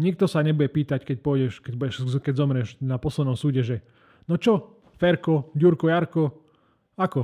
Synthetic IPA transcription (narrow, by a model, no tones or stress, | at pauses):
ɲik̚t̪ɔsaɲɛbʊjɛpiːt̪ackɛc̚pɔːɟɛʃkɛɟbuɛʃzkɛɟzɔmɾɛʒnapɔslɛd̪nɔmsuːɟɛʒɛ | nɔt͡ʃɔ | fɛɾkɔɟuɾkɔjaɾkɔ | akɔ